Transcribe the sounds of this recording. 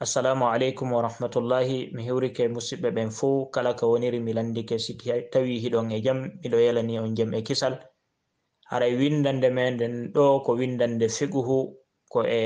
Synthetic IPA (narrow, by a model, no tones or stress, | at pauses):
ʔasːalaːmualejkumwaɾahmatulːahimiɦiwɾikɛmusiɓɛɓɛnfukalakawoniɾimilandikɛsititawiɦiɗɔnɛd͡ʒamːiɗɔjɛlaniɔnd͡ʒamɛkisal | ha̰ɾajwindandɛmɛndɛnɗɔkɔwindandɛfiɡuhu | kɔʔɛ